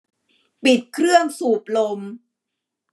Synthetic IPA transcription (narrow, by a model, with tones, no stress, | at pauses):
pi˨˩t̪̚kʰɾɯ˥˩əŋsuː˨˩p̚lo˧m